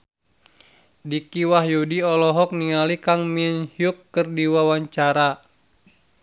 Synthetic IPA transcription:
dikiwaɦjudiɔlɔɦɔk̚niŋalikaŋminhiukːərdiwawaɲt͡ʃaɾa

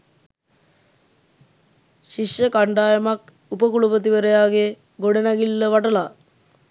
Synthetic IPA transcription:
ʃiʃjəkaɳɖaːjəmak | upəkulupət̪̬iʋəɾejaːɡe | ɡoɽenaɡilːəʋaʈəlaː

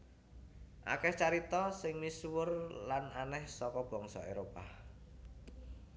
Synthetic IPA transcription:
ʔa̰kɛht͡ʃaɾit̪ɔsɪŋmiswʊrlananɛhsɔkɔb̥ɔ̤ŋsɔ̰eɾopa

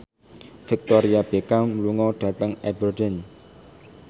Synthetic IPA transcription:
fɪk̚t̪ɔɾiab̥ekamluŋɔɖ̥ä̤t̪əŋɛbərdɛn

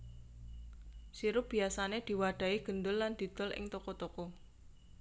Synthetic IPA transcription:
siɾʊp̚b̥i̤asaned̪̥i̤waɖ̪̥a̤iɡ̥ə̤nd̪ʊlːand̪̥i̤d̪̥ɔlʔɪ̰ŋt̪ɔkɔt̪ɔkɔ

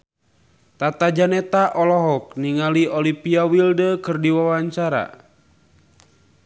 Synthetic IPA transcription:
t̪at̪ad͡ʒanɛt̪aʔɔlɔɦɔk̚niŋaliɔlipiawildəkɨrdiwawaɲt͡ʃaɾa̰

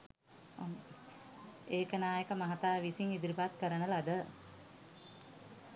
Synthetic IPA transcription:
eːkənaːjekəmɐɦat̪aːʋisiŋid̪iɾipat̪kəɾənəlad̪ə

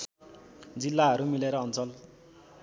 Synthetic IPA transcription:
d͡zilːaɦʌɾumileɾʌːnt͡sʌl

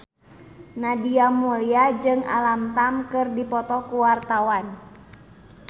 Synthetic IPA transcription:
nadiamuliad͡ʒɨŋa̰lamt̪amkɨrdipɔt̪ɔkuwart̪awan

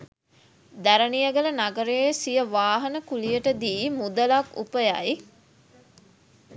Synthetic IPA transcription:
d̪æɾənijəɡələnaɡəɾeːsijəʋaːɦɐnəkulijəʈəd̪iːmud̪əlakṵpəja̰ji

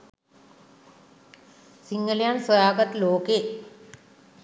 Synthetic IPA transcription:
siŋɡɐljaːnswɐjaːkɐt̪loːke

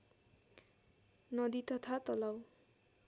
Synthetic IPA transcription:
nʌd̪it̪ʌt̪ʰat̪ʌlaw

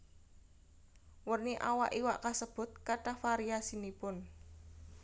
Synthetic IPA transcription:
wərniʔawa̰ʔiwaʔkasəb̥ʊ̤t̪̚kaʈafaɾiasinipʊn

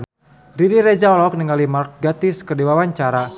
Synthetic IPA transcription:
riɾiɾɛd͡ʒaɔlɔk̚niŋalimark̚ɡat̪iskədiwawaɲt͡ʃaɾa

